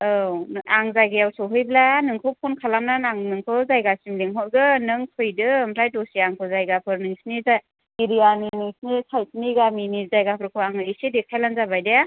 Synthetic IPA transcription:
ɯaŋzajɡajawsɔwɦɯjblanɯŋkʰɯwpʰonkʰalamnanaŋnɯŋkʰɯwzajɡasimliŋɦɔjɡɯnɯŋtʰɯjdɯmʰɾajdosiaŋkʰɯzajɡapʰɯɾnɯŋsniza | iɾijaniniŋsnisʰajsniɡaminizajɡapʰɯɾkʰɯaŋɯisedek̚ʰajlanzabajdeja

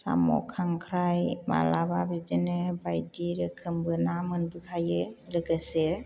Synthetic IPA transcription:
sa̰mɔ̰kʰaŋkʰɾajma̰lababɾid͡ʒɯnɯbajdiɾɯkʰɯmbɯnamɯnbɯkʰajɯlɯɡɯse

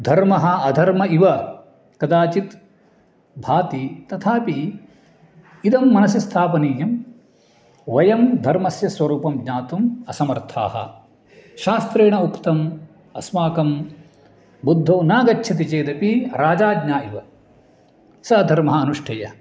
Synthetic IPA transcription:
d̪ʱɐɾmɐɦɐɐd̪ʱɐɾmɐiʋɐ | kɐd̪aːt͡ʃit̪ | bʱaːt̪it̪ɐt̪ʰaːpi | d̪ɐmːɐnɐsist̪ʰaːpɐniːjɐm | ʋɐjɐmd̪ʱɐɾmɐsjɐsʋɐɾuːpɐmɡɲaːt̪umɐsɐmɐɾt̪ʰa̰ːɦɐ̰ | ʃaːst̪ɾeːɳɐukt̪ɐm | ɐ̰smaːkɐm | bud̪ʱːoːnaːɡɐt͡ʃːʃʰɐt̪̬it͡ʃeːd̪ɐpiɾaːd͡ʒaːdɲaːiʋɐ | sɐɐd̪ʱɐɾmɐɦɐɐnuʂʈʰɐjɐ

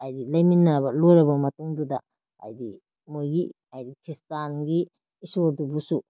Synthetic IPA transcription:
ajdilɐjminːabɐlojɾɐbɐmɐtuŋdudɐ | a̰jdi | mojɡi | ajdikʰɾistanɡiː | soɾdubusu

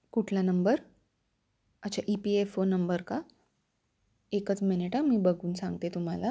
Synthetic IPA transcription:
kuʈʰlanəmbəɾ | ət͡ɕaʔipiefonəmbəɾka | ekət͡smeneʈamiːbəɡʱuːnsãŋɡt̪et̪um̤ala

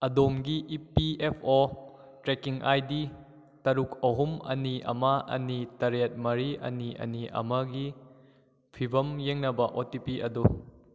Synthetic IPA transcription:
ɐdomɡiʔipiepʰo | tɾekiŋʔajdi | tɐɾuk̚ʰɐɦumɐ̰niʔɐ̰mɐɐ̰nitɐɾet̚mɐɾiɐ̰niɐ̰niʔɐ̰mɐɡi | pʰibɐmjeŋnɐbɐʔotipiʔɐdu

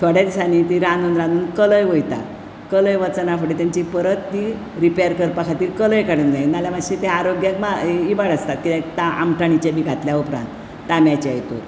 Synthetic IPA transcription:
t̪ʰəɽjad̪isanit̪iɾanunɾãnuːnkələjʋojt̪a̰ | kələjʋət͡sənafəɽit̪jaɲt͡ɕipəɾət̪ːi | ɾipejəɾkəɾpakʰat̪iːlkələjkaɽunɡajnaljamaɕit̪ɛaɾoɡjakmaibaɽəst̪at̪̚kit̪ɛt̪aʔa̰mʈaɳ̃it͡ɕebiːɡʱat̪ljaupɾa̰nt̪ː | amjat͡ɕa̰jt̪o̰ɾ

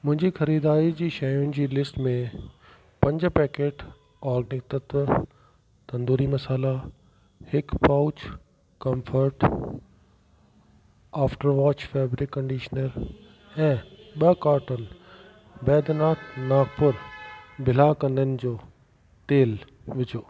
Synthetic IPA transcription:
mʊ̃ɦɪ̃ɲd͡ʑixɐɾiːd̪aːɾid͡ʑiːʃɐjʊnɪ̆d͡ʑiːlɪsʈmẽ | pɐ̃ɲd͡ʑpɛːkeːʈ | ɔːɾɡnɪt̪ət̪ | t̪ɐ̃nd̪uːɾimɐsaːla | hɪkpaʊt͡ɕ | kɐ̃mfʰəɾʈ | aːfʈəɾʋaːt͡ɕfɛːbɾɪkːɐ̃ɳɖiːʃnəɾ | ɛ̃ːɓɐkaːɾʈənɪ̆ | bɛːd̪naːt̪ʰnaːɡpʊɾbʱɪlakɐ̃nd̪ənɪ̆d͡ʑoː | t̪eːl | ʋɪd͡ʑoː

